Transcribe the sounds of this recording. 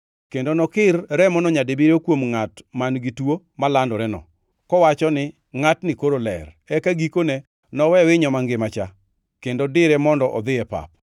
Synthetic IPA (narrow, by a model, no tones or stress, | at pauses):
kendonɔkɪrɾɛmɔnɔɲadebiɾokwomŋatmanɡitwo | malandɔɾɛnɔ̰ | kɔwat͡ʃɔnɪ | ŋatnɪkoɾolɛ̰r | ɛkaɡikonɛ | nɔwɛwɪɲɔmaŋɡɪmat͡ʃa | kendodɪɾɛmɔndɔʔɔd̪ɪɛpa̰p̚